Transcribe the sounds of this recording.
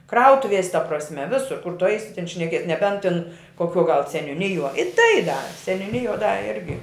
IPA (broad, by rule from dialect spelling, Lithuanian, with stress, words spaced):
ˈkrɐʊtʊʋʲiɛsʲ tɐ prɐsʲˈmʲɛ ˈʋʲɪsʊr kʊr tʊ ˈɐɪsʲɪ tʲɪn ʃʲnʲɛˈkʲiɛs nʲɛˈbʲɛnt tʲɪn koːˈkʲuɔ ɡɐlˠ sʲɛnʲʊˈnʲɪjuɔ ɪ tɐɪ dɐ sʲɛnʲʊˈnʲɪjuɔ dɐ ˈɪrʲɡʲɪ